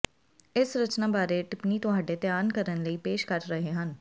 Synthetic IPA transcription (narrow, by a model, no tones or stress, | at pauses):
ɪsɾət͡ʃnaːbaːɾeʈɪpniːt̪õːɦəɖeːt̪ejaːnkəɾənləiːpeːʃkəɾɾəɦeɦən